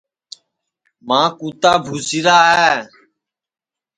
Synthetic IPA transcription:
mãːkuːt̪aːbʱuːsɪɾaːɦɛː

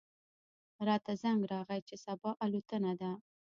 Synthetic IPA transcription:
ɾɑt̪azaŋɡɾɑɣajt͡ʃesabɑʔalut̪ənad̪a

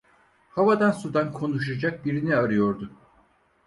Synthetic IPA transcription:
havad̪ansud̪ankʰo̞nuʃ̬ad͡ʒak̚biɾiniaɾɯjoɾd̪ʊ

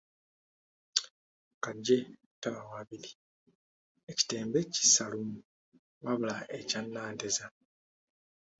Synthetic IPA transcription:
kaɟːe̞ | taβawaβili | eci̥te̞ːmbeci̥salumu | βaβulaecanːaːnteza

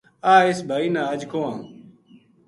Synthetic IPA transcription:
aːisbʱainaːɐd͡ʑkoːã

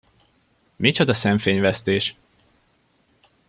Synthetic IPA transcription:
mit͡ʃod̪ɒsɛɱfeːɲvɛst̪eːʃ

